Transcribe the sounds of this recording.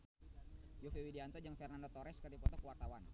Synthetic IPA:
jofewidiant̪ɔd͡ʒaŋfɛrnandot̪ɔɾɛskərdipɔt̪ɔkəwart̪awan

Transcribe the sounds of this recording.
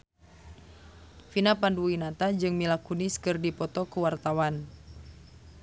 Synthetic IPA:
finapanduwinat̪ad͡ʒɨŋmilakuniskɨrdipɔt̪ɔkuwart̪awan

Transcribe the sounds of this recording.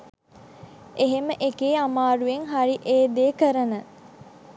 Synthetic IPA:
eɦeməʔekeːamaːɾueŋɦaɾiʔeːd̪eːkəɾənə

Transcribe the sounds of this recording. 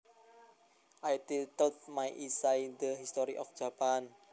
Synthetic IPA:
ʔajt̪it̪əlt̪̚majʔisaind̪əɦist̪ɔɾiʔɔfʒ̥a̤pan

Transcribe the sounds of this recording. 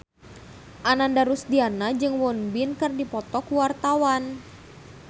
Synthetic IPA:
ʔanandaɾusdianad͡ʒɨŋwɔnbinkɨrdipɔt̪ɔkuwart̪awan

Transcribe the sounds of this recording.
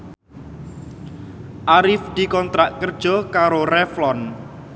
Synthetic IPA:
ʔaɾɪfd̪̥i̤kɔnt̪ɾaʔkərd̥ʒ̥ɔ̤kaɾoɾɛflɔn

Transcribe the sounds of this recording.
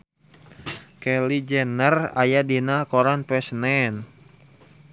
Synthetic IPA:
kɛlid͡ʒɛnəra̰jadinakoɾanpɛsnɛn

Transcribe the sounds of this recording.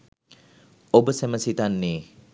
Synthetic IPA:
obəsɛməsit̪anːe

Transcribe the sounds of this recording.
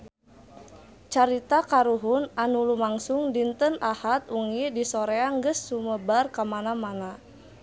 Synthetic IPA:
t͡ʃaɾit̪akaɾuɦʊnanulumaŋsʊŋdint̪ənahat̪̚uŋidisoɾeaŋɡəsːuməbarkamanamana

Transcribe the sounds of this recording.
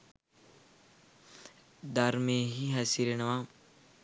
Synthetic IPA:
d̪aɾmeɦiɦɐsiɾenɐʋa

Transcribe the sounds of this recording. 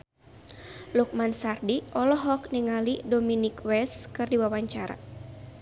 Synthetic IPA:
luk̚mansardiʔɔlɔɦɔk̚niŋalidɔminikwɛskɨrdiwawaɲt͡ʃaɾa̰

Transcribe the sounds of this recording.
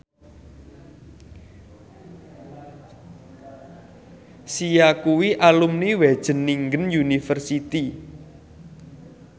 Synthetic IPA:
sijakuwiʔalumniwed̥ʒ̥ə̤nːiŋɡənjunifərsit̪i

